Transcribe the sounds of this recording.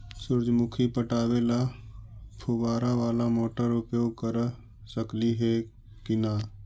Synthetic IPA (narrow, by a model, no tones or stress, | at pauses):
sʊɾd͡ʒmʊkʰipəʈaːʋela | pʰubaːɾaʋaːlamoːʈəɾʊpjoːɡ̚kəɾ | səkliɦeː | kɪnaː